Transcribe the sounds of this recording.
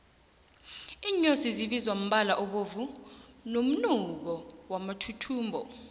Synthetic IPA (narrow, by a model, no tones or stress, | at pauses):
iːɲosiziɓizwam̩ɓalaʔɔɓovunom̩nuk̬ɔwamatʰutʰuːmbʱɔ̰